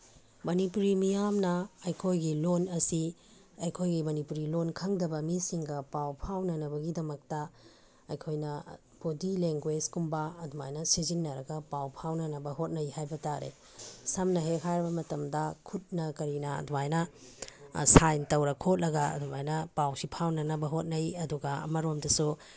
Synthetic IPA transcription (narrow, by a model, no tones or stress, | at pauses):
mɐnipuɾimijamnɐːjkʰojɡilonɐsi | ɐjkʰojɡimɐnipuɾilonkʰɐŋdɐbɐmisiŋɡɐpawpʰawnɐnɐbɐɡidɐmɐk̚tɐ | ɐjkʰojnɐ | bodileŋɡweskumbɐɐduma̰jnɐsizinːɐɾɐɡɐpawpʰawnɐnɐbɐɦot̚nɐjhajbɐtaɾḛ | sɐmnɐɦeɦajɾɐbɐmɐtɐmdɐkʰut̚nɐkɐɾinɐ̰ːdumajnɐ | sajntɐwɾɐkʰot̚lɐɡɐɐ̰dumajnɐpawsipʰawnɐnɐbɐɦot̚nɐjɐduɡɐɐ̰mɐɾomdɐsu